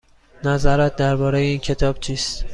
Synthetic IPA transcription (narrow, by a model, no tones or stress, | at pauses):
nazɒɾat̪̚d̪æɾbɒːɾejinkʲʰe̞t̪ʰɒb̥t͡ʃʰist̪